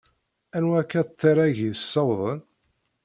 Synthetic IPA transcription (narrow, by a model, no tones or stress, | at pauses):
ænwækːæt̪ːiɾˤæʝisːɑwðˤən